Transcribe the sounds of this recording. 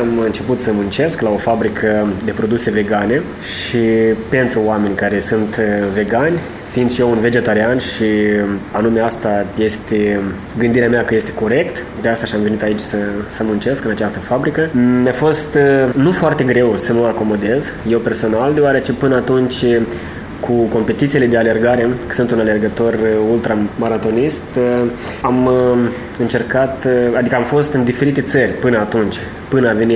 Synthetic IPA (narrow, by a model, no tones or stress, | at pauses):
amɨnt͡ʃe̞put̪səmunt͡ʃe̞sklao̞fabɾikʰəd̪e̞pɾo̞d̪use̞ve̞ɡane̞ | ʃipe̞nt̪ɾuoame̞nʲkaɾe̞sunt̪ve̞ɡanʲ | find̪sʃjeunve̞d͡ʒe̞t̪aɾianʃianume̞ast̪aje̞st̪e̞ | ɡɨnd̪iɾeameakəje̞st̪e̞̥ko̞ɾe̞kt̪ | d̪east̪aʃiamve̞nit̪ait͡ʃʲsəsəmunt͡ʃe̞skɨnat͡ʃast̪əfabɾikəmeafo̞st̪nufoart̪e̞ɡɾe̞wsəməako̞mo̞d̪e̞z | je̞wpe̞rso̞nald̪eoaɾe̞t͡ʃe̞pɨnəat̪unt͡ʃʲ | kʰuko̞mpe̞t̪it̪sile̞d̪e̞ale̞rɡaɾe̞kə̥sɨnt̪unale̞rɡət̪o̞rult̪ɾamaɾat̪o̞nist̪ | am | ɨnt͡ʃe̞rkat̪ad̪ikəamfo̞st̪ɨnd̪ife̞ɾit̪e̞t̪sərʲpɨnəat̪unt͡ʃʲ | pɨnəaveni